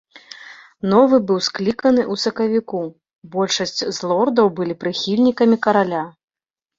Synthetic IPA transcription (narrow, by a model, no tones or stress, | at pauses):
nɔvɨbɨwsklʲikɐnɨʔusɐkɐvʲiku | bɔlʲʂɐsʲt͡sʲzlˠɔrd̪ɐwbɨlʲipɾɨxʲilʲnʲikɐmʲikɐɾalʲa